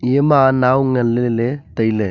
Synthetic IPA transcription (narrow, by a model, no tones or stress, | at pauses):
eːmaːnaːʊŋɡɐɭːɪlet̪ɐjle